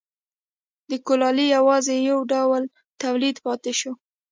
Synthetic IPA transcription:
d̪əkolɑlijawɑzejawɖawl | t̪awlid̪pɑt̪eʃo

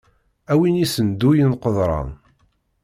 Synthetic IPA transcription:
æwinisənd̪ujənqəðˤɾˤɑ̰n

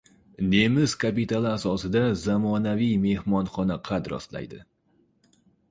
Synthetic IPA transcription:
nemɪz̥kʰapit̪alˠɪasɒsɪd̪azamɒnavijme̞hmɒnχɒnaqʰɑd̪ɾɒ̰slˠa̰jd̪ɪ̰

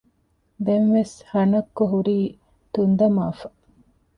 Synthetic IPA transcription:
d̪enʋeshɐnɐkːoɦuɾiː | t̪und̪ɐmaːfɐ̥

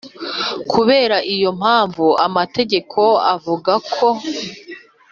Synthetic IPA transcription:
kʰuβe̞ːɾaʔijo̞m̥haːɱvuamate̞ɟe̞kʰo̞avuɡakʰo̞

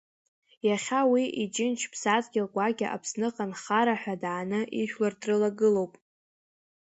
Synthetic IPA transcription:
jaχʲawiʔit͡ʃʼɪnt͡ʃʰpʰsat͡sɡʲɪlɡʷaɡʲa̰ʔa̰pʰsnɨqʼanχaɾaħʷᶣadʕanɨʔiʃᶣlardrɨlaɡɨlo̞wpʼ

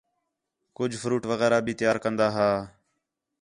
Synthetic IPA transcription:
kʊd͡ʒʱfʰɾuːʈʋəɣɛːɾaːbʱiːt̪ɪjaːɾkənd̪aːɦaː

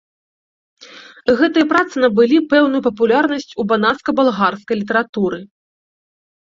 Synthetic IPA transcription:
ɣɛt̪ɨjɐpɾat̪sɨnɐbɨlʲipɛwnujupɐp̬ulʲarnɐsʲt͡sʲubanaskɐbalˠɣarskɐjlʲit̪ɐɾat̪uɾɨ

